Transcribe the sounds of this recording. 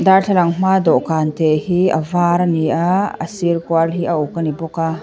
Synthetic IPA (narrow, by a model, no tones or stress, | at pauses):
daɾɬʰɐlɐŋmadokantehiɐ̰vaɾɐniaɐsiɾkwalɦiʔɐukɐnibɔka